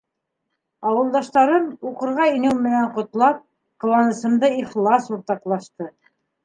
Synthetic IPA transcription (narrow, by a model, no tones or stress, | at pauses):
ɑwɤ̆lˠd̪ɑʃt̪ɑɾɤmuqɤ̆ɾʁɑinɘwmɘ̆næɴqŏt̪lˠɑp̚ | qɤ̆lˠɑnɤ̆sɤ̆md̪ɤiχlˠɑsuɾt̪ɑqlˠɑʃt̪ɤ